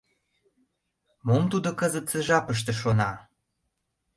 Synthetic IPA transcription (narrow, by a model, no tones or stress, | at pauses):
momt̪ud̪okəzət̪səʒɑpəʃ̬t̪ĕʃonɑ